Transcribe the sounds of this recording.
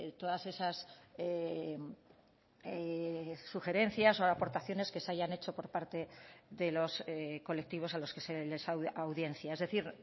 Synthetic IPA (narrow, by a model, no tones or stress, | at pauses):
t̪o̞ðase̞sase | eː | uxe̞ɾe̞nθjaso̞apo̞ɾt̪aθjo̞ne̞ske̞saʝane̞t͡ʃo̞po̞ɾpaɾt̪e̞ðe̞lo̞sko̞le̞k̚t̪iβ̞o̞salo̞ske̞sele̞sawawðje̞n̟θjae̞zðe̞θiɾ